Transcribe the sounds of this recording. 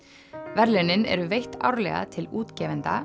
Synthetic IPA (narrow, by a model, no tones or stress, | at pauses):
vɛɾlɪnːɪnɛ̰ɾʏvejht̪a̰wɾlɛ̰ɣa̰t̪ʰɪluːt̪cɛːvɛnt̪a